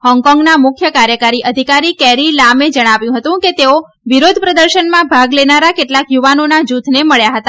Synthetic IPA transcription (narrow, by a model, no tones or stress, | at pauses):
hɔŋkɔ̃ŋɡnamʊkʰjəkaɾjəkaɾiʔəd̪ʱikaɾikɛɾilamed͡ʒəɽ̃aʋjũɦət̪ũket̪eo | ʋiɾod̪ʱpɾəd̪əɾʃənmãbʱaɡlenaɾakeʈlakjuʋanonad͡ʒut̪ʰneməɭjaɦət̪a